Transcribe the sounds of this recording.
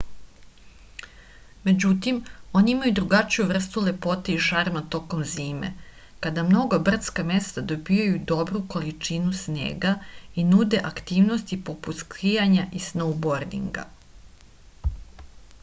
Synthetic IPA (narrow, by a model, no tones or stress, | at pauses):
me̞d͡ʑut̪imo̞niimajud̪ɾuɡat͡ʃijuʋr̩st̪ule̞po̞t̪eiʃaɾmat̪o̞ko̞mziːmḛ | kad̪amno̞ɡobr̩t̪skame̞st̪ad̪o̞bijajud̪o̞bɾuko̞lit͡ʂinusnḛːɡainud̪e̞ʔakt̪iːʋnost̪ipo̞put̪skɾijaɲaʔisnowbo̞ɾd̪ḭŋɡa̰